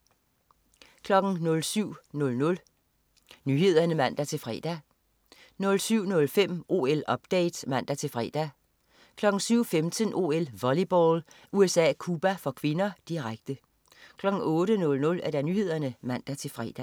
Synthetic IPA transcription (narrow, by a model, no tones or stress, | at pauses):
kʰlɒ̽ɡ̥n̩nɔ̽lsyʊ̰nɔ̽lnɔ̽l | nyːɦe̝ð̞̰ˠɐnəmæn̰d̥æt͡sʰe̝lfʁɛ̰ːd̥æ | nɔ̽lsyʊ̰nɔ̽lfem̰ʔo̝̰ːelɒ̽b̥d̥ɛ̰ɪd̥mæn̰d̥æt͡sʰe̝lfʁɛ̰d̥æ | kʰlɒ̽ɡ̥n̩syʊ̰femt͡sʰənʔo̝̰elʋɒlib̥ɒlʔuesɛ̰ːkʰuːb̥æfɒ̽kʰʋe̝nɐd̥iʁaɡ̥̚d̥ə | kʰlɒ̽ɡ̥n̩ɔ̽ːɾənɔ̽lnɔ̽læɐɾ̥ænyːhe̝ð̞̰ˠɐnəmæn̰d̥æt͡sʰe̝lfʁɛ̰d̥æ